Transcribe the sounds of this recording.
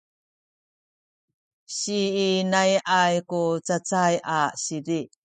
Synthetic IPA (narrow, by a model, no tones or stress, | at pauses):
ɕiːnajʔajkut͡sat͡sajʔaɕiɾi